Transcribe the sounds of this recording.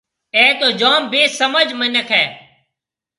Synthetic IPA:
eːt̪oːd͡ʒoːmbeːsəməd͡ʒmənəkʰɛː

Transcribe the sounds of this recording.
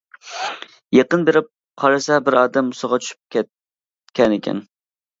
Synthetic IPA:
jeqənbeɾɪp̚ | qʰɑɾɨsɛbɪɾɑːd̪ɛmʊsəʁɑt͡ʃʰy̥ʃy̥p̚kʲɛ | kʲɛnɪkʲʰɛ̰n

